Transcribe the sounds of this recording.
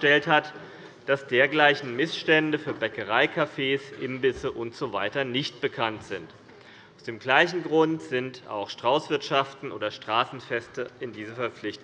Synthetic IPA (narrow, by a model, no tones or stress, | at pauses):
tɛlthat | d̥asd̥eːɐɡlaɪçn̩mɪsʃtɛndəfyːɐbɛkəʁaɪkʰafeːsʔɪmbɪsəʔʊntz̥ovaɪtɐnɪçt̚b̥əkʰantz̥ɪnt | ʔaʊsd̥eːmɡlaɪçn̩ɡʁʊntz̥ɪnta̰ʊxʃtʁ̥aʊsv̥ɪɐtʃaftn̩ʔoːdɐʃtʁ̥aːsn̩fɛstəɪndiːzəfɛɐp͡flɪçt